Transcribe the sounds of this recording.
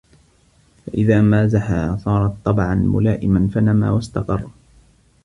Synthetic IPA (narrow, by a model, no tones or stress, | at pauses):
faʔɪðaːmaːzaħa̰ːsˤɑːɾˤɑt̪ˤːɑbʕanmʊ̰laːʔɪmanfanama̰ːwast̪ɑqɑrˤː